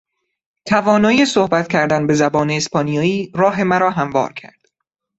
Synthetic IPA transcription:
t̪ʰævɒːnɒːjesohbæt̪cʲʰæɾd̪ænbezæbɒːneːspɒːnijɒːiːɾɒːɦe̞mæɾɒːɦæmvɒ̰ːɾcʰæ̰ɾd̪̥

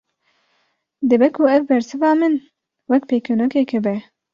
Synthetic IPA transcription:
d̪ɨbɛkʰuɛvbɛɾsɨvɑːmɨn | wɛkpeːkenokekʰɛbɛ

